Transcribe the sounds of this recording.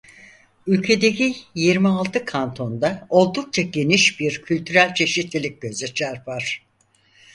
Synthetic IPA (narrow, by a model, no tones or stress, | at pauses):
ylʲcʰe̞d̪e̞cijiɾmialˠt̪ʰɯkʰant̪ʰo̞nd̪ao̞lˠd̪uk̚t͡ʃʰaɟe̞niʃbiɾcʰylʲt̪ʰyɾælʲt͡ʃʰe̞ʃit̪lʲilʲic̚ɟø̞zɛt͡ʃʰaɾfaɾ̥